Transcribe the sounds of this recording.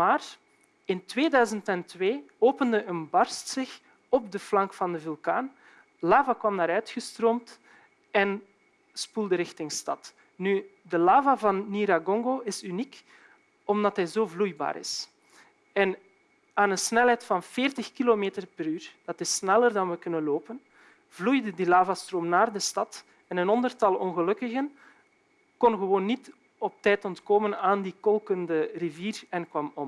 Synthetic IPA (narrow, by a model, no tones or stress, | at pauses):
maːr | ɪntweːdœɥzəntɛntweː | oːpəndəʔənbɑrstsɪx | ɔp̚dəflɑŋkfɑndəvylˠka̰ːn | laːvakʋɑmnaːɾœɥtxəstroːmt | ɛn | spulˠdəɾɪxtɪŋstɑ̰t | nydəlaːvavɑnːiɾaɡɔŋɡoɪsynik | ɔmdɑtɦɛjzoːvlujba̰ːɾɪ̰s | ɛn | aːnənsnɛlˠɦɛjtfɑnfɪːrtəxkilomeːtərpəɾyːrd̥ɑtɪsnɛlərdɑnʋəkɵnənloːpən | vlujdədilaːvastroːmnaːrdəstɑt | ɛnənɔndərtɑlˠɔ̰nɣəlɵkəɣən | kɔnɣəʋoːnːit | ɔp̚tɛːtɔntkoːmənaːndikɔlˠkəndəriviːrɛnkwɑmɔm